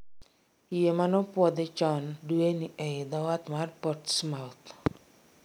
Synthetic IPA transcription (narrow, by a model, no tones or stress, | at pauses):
ijemanɔpwɔd̪ɛt͡ʃɔndueniʔɛd̪ɔwat̪marpɔtsmalt̪